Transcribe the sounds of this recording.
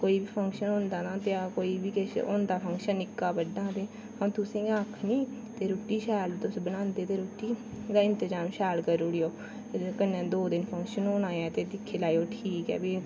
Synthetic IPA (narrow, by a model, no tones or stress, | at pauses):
koːiːbiːpʰə̃ŋkʃənɦõnd̪aːnãːt̪eaːkoːiːbiːkeso̰nd̪aːpʰəŋkʃənːɪkːaːbəɖːãːt̪eː | hə̃t̪ʊsĩːaːkʰniːt̪eːɾoːʈiːʃaːlt̪ʊsbənãːnd̪eːt̪eːɾoːʈiː | d̪aːɪnt̪əzaːmʃaːlkəɾuːɽijoː | kənẽːd̪oːd̪ɪnpʰə̃ŋkʃənoːnãːjaːt̪eːd̪ɪkʰːeːlaːioːʈʰiːkɛ̰ːbiː